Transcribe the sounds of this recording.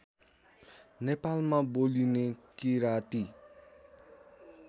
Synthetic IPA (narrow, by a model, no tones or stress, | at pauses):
nepalmabolinekiɾat̪i